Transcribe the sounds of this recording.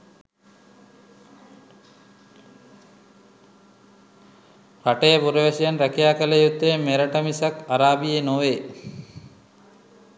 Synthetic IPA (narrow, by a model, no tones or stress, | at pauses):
kaʈejəbuɾeʋesijanɾækijaːkələjut̪ːeːmeɾɐʈəmisakaɾaːbijenoʋe